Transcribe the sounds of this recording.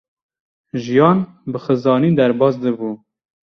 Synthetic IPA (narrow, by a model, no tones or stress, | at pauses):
ʒijɑːn | bɨxɨzɑːniːd̪æɾbɑːsd̪ɨbuː